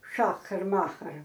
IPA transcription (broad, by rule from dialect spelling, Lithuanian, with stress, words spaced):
ˈʃɑːxɐr ˈmɑːxɐr